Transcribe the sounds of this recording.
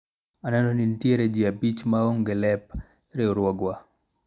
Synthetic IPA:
anɛnɔnintieɾed͡ʒiabit͡ʃmaoŋɡelɛp | ɾeoɾwɔɡwa

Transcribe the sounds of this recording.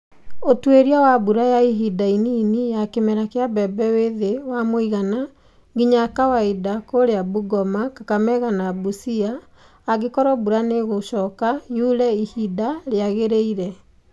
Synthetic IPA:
otweɾiawabuɾajaiɦidaininijakemɛɾakeabɛbɛweðewamoiɣana | ɡiɲakawaidakoɾeabuɡɔmakakamɛɣanabusiaː | ɣekɔɾɔbuɾaneɣoɕɔːkajuɾɛihidaɾeaɣeɾeiɾɛ

